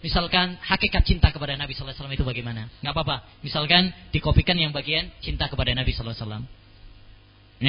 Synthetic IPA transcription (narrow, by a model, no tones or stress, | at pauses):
misalkanhakekat̪̚t͡ʃint̪akəpadanabisɔlasalamit̪ubaɡajmanaŋɡapapa | misalkand̥ikopikanjaŋbaɡiant͡ʃint̪akəpadanabisɔlasalam